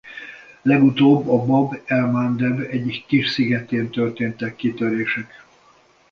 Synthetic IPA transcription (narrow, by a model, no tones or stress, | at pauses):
lɛɡut̪oːbːɒbɒbɛlmaːnd̪ɛbɛɟikːiʃsiɡɛt̪eːnt̪ørt̪eːnt̪ɛkːit̪øɾeːʃɛk